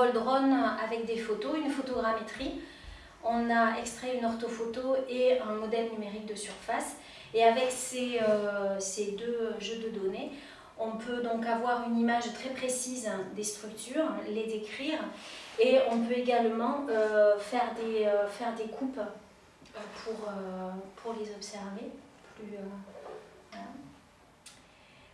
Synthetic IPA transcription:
pɔld̪ʁɔnavɛk̚d̪efot̪oynfot̪ɔɡʁamet̪χi | ɔ̃naɛkst̪χɛynɔʁt̪ofot̪oeɛ̃mɔd̪ɛlnymeʁik̚d̪əsyʁfas | eavɛkseøsed̪øʒød̪əd̪ɔne | ɔ̃pʰød̪ɔ̃kavwaʁynimaʒt̪χɛpχesizd̪est̪χykt̪yʁled̪ekχiʁeɔ̃pøeɡalmɑ̃øfɛʁd̪eøfɛʁd̪ekʰup | øpʰuʁøpʰuʁlezɔpsɛʁve | plyø | ɛ̃

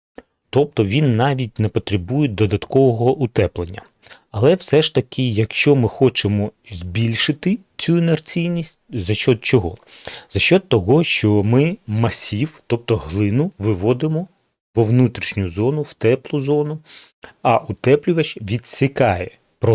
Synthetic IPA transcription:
t̪ɔp̚t̪ɔʋʲinːɑʋʲit̚ʲnɛpɔt̪ɾebujɛd̪ɔd̪ɐt̪kɔʋɔɦɔʔʊt̪ɛplˠenʲːɐ | ɐlˠɛwsɛʃt̪ɐkʰɪjɐkʃt͡ʃɔmɪxɔt͡ʃemɔzʲbʲilʲʃɪt̪ɪ | t͡sʲuinert͡sʲijnʲisʲt̚ʲzɐʃt͡ʃːɔt̪̚t͡ʃɔɦɔ̰z̥ɐʃɔt̪̚t̪ːɔɦɔʃt͡ʃɔmɪmɐsʲiwt̪ɔp̚t̪ɔɦlˠɪnʊʋɪʋɔd̪ɪmɔ | ʋɔʋnut̪ɾʲiʃnʲʊzɔnʊwt̪ɛplˠʊzɔnʊ | ɐʔʊt̪ɛplʲʊʋɐt͡ʃʋʲid̪sʲɪkɑjɛ | pɾɔ

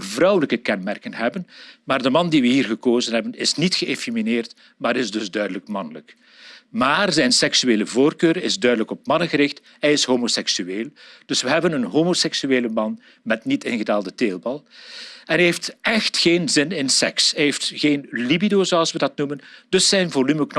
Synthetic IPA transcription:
vrʌwələkəkɛnmɛrkənɦɛbənmaːrdəmɑndiʋəɦiːrɣəkoːzənɦɛbənɪsnitxəefimineːrt | maːɾɪzdɵzdœɥdələkmɑnlə̰k | maːrzɛjnsɛksyeːləvoːrkøːɾɪzdœɥdələkɔp̚mɑnənɣəɾɪxt | hɛjɪsɦoːmosɛksyeːlˠd̥ɵsʋəɦɛbənənɦomosɛksyeːləmɑn | mɛtnitɪnɣədaːlˠdəteːlˠbɑlˠɛnɦɛeftɛxtxeːnzɪnɪnsɛ̰ksɦɛjɦeftxeːnlibidoːzoɑlˠsʋədɑtnumənd̥ɵsːɛjnvolyməkn

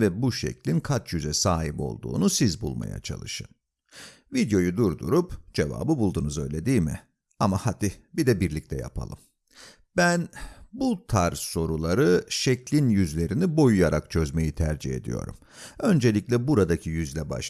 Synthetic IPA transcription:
vɛbuʃɛ̰clʲinkʰat͡ʃjyzɛsaːɦipo̞̰lˠd̪ṵːnusizbulˠma̰ja̰t͡ʃʰa̰lˠɯʃɯn | vid̪jo̞jud̪uɾd̪uɾupd͡ʒe̞va̰ːbɯbulˠd̪unuzø̞jlʲe̞d̪iːjmɪ̰ | amahad̪ibid̪ɛbiɾlʲic̚t̪ʰɛja̰pʰa̰lˠɯm | bænbut̪ʰaɾso̞ɾulˠaɾɯʃɛclʲinjyzlʲe̞ɾinibo̞jujaɾakt͡ʃʰø̞zme̞jit̪ʰæɾd͡ʒihe̞̰d̪ḭjo̞̰ɾṵm | ø̞nd͡ʒe̞lʲicʲlʲɛbuɾad̪acʰijyzlʲɛba̰ʃ

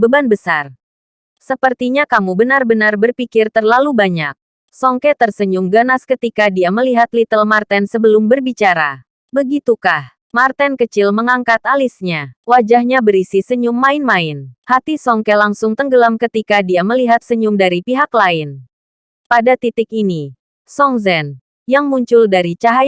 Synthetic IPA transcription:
bəbanbəsar | səpərt̪iɲakamubənarbənarbərpikɪrt̪ərlalubaɲa̰k̚ | sɔŋkɛt̪ərsəɲʊmɡanaskət̪ikadiaməliɦat̪lit̪əlmart̪ɛnsəbəlʊmbərbit͡ʃaɾa̰ | bəɡit̪ukah | mart̪ɛnkət͡ʃɪlməŋaŋkat̪alisɲawad͡ʒahɲabəɾisisəɲʊŋːaɪnmaɪnhat̪isɔŋkɛlaŋsʊŋt̪əŋɡəlamkət̪ikadiaməliɦat̪̚səɲʊŋdaɾipiɦaklaɪn | padat̪it̪ɪkini | sɔŋzɛn | jaŋmuɲt͡ʃʊldaɾit͡ʃaɦa

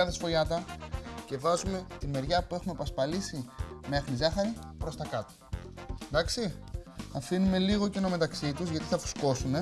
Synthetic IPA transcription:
ɐðesfo̞ʝɐt̪ɐce̞vɐzume̞t̪ime̞ɾʝɐpue̞xumepɐspɐlisimeɐxnizɐxɐɾipɾo̞st̪ɐkɐt̪oend̪ɐksiɐfinume̞liɣo̞cino̞me̞t̪ɐksit̪uzʝɐt̪iθɐfu̥sko̞sune̞

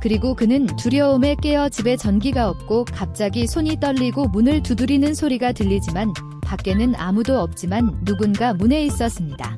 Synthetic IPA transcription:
kɯɾiɡokɯnɯntuɾjʌome̞k͈e̞ʌd͡ʑibe̞t͡ɕʌnɡiɡaʌp̚k͈okap̚t͡ɕ͈aɡisʰoɲit͈ʌʎːiɡomunɯɭtudɯɾinɯnsʰoɾiɡatɯʎːid͡ʑiman | pak͈e̞nɯna̰mudoʌp̚t͡ɕ͈imanːuɡunɡamune̞is͈ʌs͈ɯmɲida̰

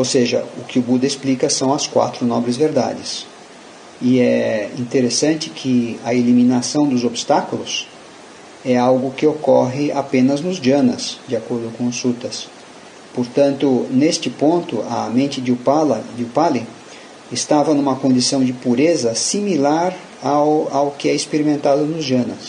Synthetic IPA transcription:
owseʒɐ̰ʊkɪʊbud̪ɐesplikɐsɐ̃w̃ɐskwa̰t̪ɾʊnɔbɾɪzveɾd̪a̰d͡ʒɪs | ɪɛĩt̪eɾesɐ̃nt͡ʃɪkʰɪɐelimĩnasɐ̃w̃d̪ʊzobist̪akʊlʊs | ɛawɡʊkɪokɔɦɪapẽnɐznʊzd͡ʒɐ̃nɐ̰sd͡ʒɪakoɾd̪ʊkõʊsut̪ɐs | poɾt̪ɐ̃nt̪ʊnest͡ʃɪpõnt̪ʊɐ̰mẽnt͡ʃɪd͡ʒɪʊpad͡ʒɪʊpalɪ | ɪst̪avɐnũmɐkõnd͡ʒisɐ̃w̃d͡ʒɪpuɾezɐsimilaɾ | awawkɪɛɪspeɾimẽnt̪ad̪ʊnʊzd͡ʒɐ̃nɐs

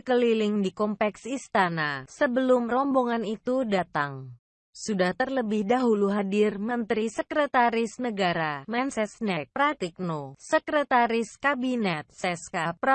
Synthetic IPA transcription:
əkəlilɪŋdikɔmpɛksist̪anasəbəlʊmrɔmboŋanit̪udat̪aŋ | sudaht̪ərləbɪhdaɦuluɦadɪrmənt̪ɾisəkɾət̪aɾɪsnəɡaɾamɛnsɛsnɛk̚pɾat̪ik̚nosəkɾət̪aɾɪskabinɛt̪̚sɛskapɾa

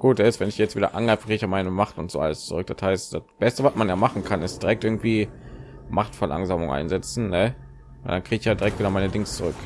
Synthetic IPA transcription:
ɡ̥uːtd̥ɛɪstv̥ɛnɪçjɛt͡stv̥iːdɐ̰ʔa̰nɡʁaɪfəkʰʁiːɡɪçjaːmaɪnəmaχtʊntz̥o̰ːa̰ləst͡suʁʏk̚d̥ashaɪstd̥asb̥ɛstəvasmanjaːmaχn̩kʰanɪstd̥iʁɛk̚tʔɪɐɡŋ̩tv̥iː | maχtfɛɐlʔa̰ŋzaːmʊŋʔa̰ɪnzɛt͡sn̩nə | vaɪldankʁ̥iːɡɪçjaːdiʁɛktviːdɐmaɪnədɪŋst͡suʁ̞ʏk

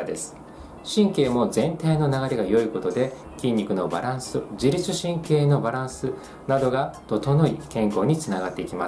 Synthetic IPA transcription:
d̪e̞̰sɨ̥ | ɕĩŋke̞ːmo̞zẽ̞nt̪aino̞naɡaɾe̞ɡajo̞iko̞t̪o̞d̪e̞ | kʲĩɲ̟ːikɯ̟no̞ba̰ɾãɰ̃sɨd͡ʑiɾʲit͡sɨɕĩŋke̞ːno̞baɾãsɨ | nad̪o̞ɡat̪o̞t̪o̞no̞ikẽ̞ŋko̞ːɲ̟it͡sɨnaɡat̪ːe̞ikʲima

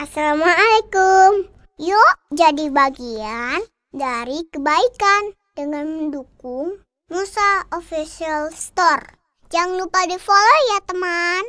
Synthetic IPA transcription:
ʔasalamaalekum | joʔd͡ʒadibaɡian | daɾikəbaikan | d̥əŋanməndukʊŋ | musaofisialst̪ɔr | d͡ʒaŋlupadifolojat̪əman

